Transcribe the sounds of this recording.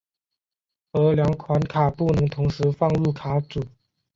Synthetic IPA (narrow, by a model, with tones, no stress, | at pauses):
ə˧˥ljɑ˧˥ŋkʰwa˧˥nkʰa˨˩pu˥˩nɤ˧˥ŋt̪ʰʊ˧˥ŋʂɻ̩˧˥fɑ˥˧ŋɻu˥˩kʰa˨˥t͡su˨˩˦